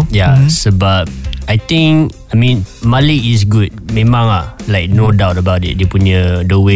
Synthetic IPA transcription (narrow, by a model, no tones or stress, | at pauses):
jasəbap̚ajt̪ĩŋkajmĩnmaliːs̬ɡut̚mẽmãŋalaɪk̚nodawtəbawtḭt̚depuɲədowe